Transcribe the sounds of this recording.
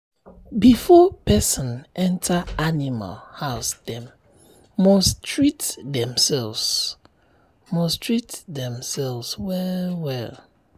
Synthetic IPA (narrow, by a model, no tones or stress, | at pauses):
bifɔpʰɛsɔ̃nʔɛ̃ntʰaanima̰lhaʊsdɛ̃mː | ɔstʰɹitdɛ̃msɛlvs | mɔstʰɹitdɛ̃msɛlvswɛwɛ̰l